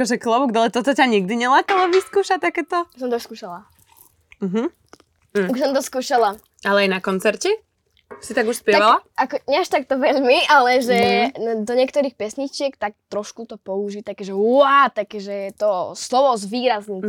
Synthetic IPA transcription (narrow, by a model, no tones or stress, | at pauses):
kɔʒɛklɔʋuɡd̪ɔlɛt̪ɔt̪ɔcaɲiɡ̚d̪iɲɛlaːk̪alɔʋiskuːʃat̪akɛːt̪ɔuʃs̬ɔmt̪ɔuʃskuːʃala | m̩ɦm̩ː | uʃsɔmt̪ɔskuːʃala | alɛajnakɔnt͡sɛɾcɛ | sit̪aɡuʃspjɛaʋalaakɔɲɛaʃt̪ak̚t̪ɔʋɛʎmiʔalɛʒɛd̪ɔɲɪɛkt̪ɔɾixpɛsɲit͡ʃɪɛkt̪ak̚t̪ɾɔʃkut̪ɔpɔuʒit̪akɛʒɛat̪akɛʒɛɛt̪ɔslɔʋɔzʋiːɾazni